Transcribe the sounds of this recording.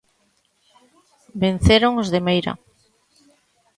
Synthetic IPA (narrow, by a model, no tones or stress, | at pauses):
ben̟θeɾoŋozðemejɾɐ̰